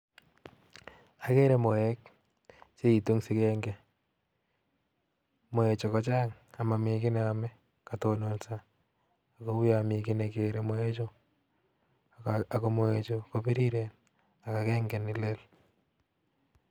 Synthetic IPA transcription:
a˨ke˦ɾe˦mo˨ɛk̚ | t͡ʃe˦i˨to˦ŋsi˦kɛ˦ŋɡe˨ | mo˨e˨t͡ʃo˨kɔ˨˦t͡ʃaː˦ŋa˨ma˨mɪ˨kɪ˦ne˨a˨mɛ˦ | ka˨tono˦nsaː˦˨ | ko˦wu˦amɪ˨kɪ˦neke˨ɾe˨mo˦e˦t͡ʃo˦ | a˨ko˦mo˨e˨t͡ʃo˨ko˦pi˦ɾi˦ɾe˨n | a˨ka˨ke˦ŋɡɛ˨nɪ˨le˦l

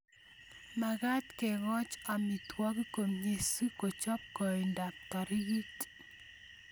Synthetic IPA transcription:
ma˨ɡa˦t̪kɛ˨ɡɔ˦t͡ʃa˨mi˨t̪wɔ˦ki˦ko˨mɲe˨su˦ko˨t͡ʃɔ˦p̚kɔ˨i˨nda˨p̚t̪ɔ˨ɾji˦t

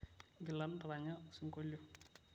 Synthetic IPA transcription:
ɡi˨la˨˦n˦dɾa˨ɲa˦si˦ŋko˦lo˦

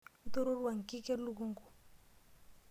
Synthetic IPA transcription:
u˦t̪o˦ɾo˦ɾwa˨ŋ˨ki˦ke˦ɾlu˦ku˦ŋɡu˨

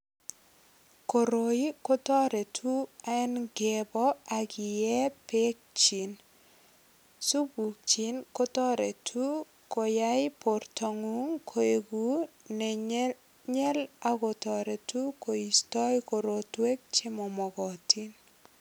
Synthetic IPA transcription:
ko˨ɾo˨i˦ko˦tɔ˦ɾe˨tʰu˦a˨ɛ˦nɡe˨bɔ˦a˨kɪ˨jɛ˦pe˦k̚t͡ʃi˨n | su˦bu˨k̚t͡ʃi˦nko˦tɔ˦ɾe˨tʰu˦ | ko˨ja˦ɪpo˨rtɔ˨ŋu˦ŋkʰo˨e˨ɡu˦ | ne˨ | ɲɛ˦la˦ko˨tɔ˨ɾe˨tu˦ko˨i˨stɔ˦jko˨ɾo˨twe˦k̚t͡ʃe˦mɔ˨mɔ˨ɡɔ˨ti˦n

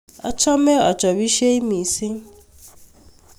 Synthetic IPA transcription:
a̰˨t͡ʃʰɔ˦mɛ˦ɔ̰˨t͡ʃʼɔ˨βi˦ʃe˦i˦mi˨si˦

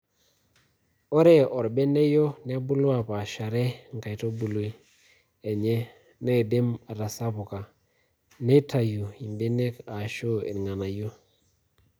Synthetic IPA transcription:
ɔ˦ɾe˦ɔ˨ɾbe˦ne˦jo˦ne˦bu˦lwa˨pa˨ʃa˨ɾe˦ŋ˨ka˨i˨to˦bu˨lo˨˦ | e˨ɲe˦ | ne˦˨de˦ma˨ɾa˨sa˦pu˨ka˨ | ne˦ta˨ju˨i˨mbe˦ne˦ka˨ʃo˦ḛ˨n˨ŋa˨na˨jo˦

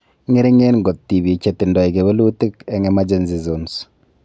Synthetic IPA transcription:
ŋe˦ɾi˦ŋe˦nŋɡo˨tti˨bi˨t͡ʃe˨tɪ˨ndɔ˨i˨ke˨βe˦lu˦ti˦kɛ˨ŋɛ˦ma˦d͡ʒe˦nzi˨zo˨ns

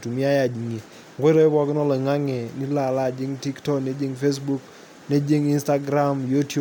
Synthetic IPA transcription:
tu˨mi˦a˦ja˨d͡ʒi˨ŋe˨ | ŋɡwe˦ɾɔ˦ɛ˦bɔ˦kɪ˦nɔ˦lɔ˨ŋa˦ŋɛ˨ni˦la˨la˦˨d͡ʒɪ˦ŋti˦ktɔ˦kne˦d͡ʒe˦ŋfe˦s̬bu˦k | ne˦d͡ʒe˦ŋi˦nsta˦ɡɾa˦mju˦tu˦

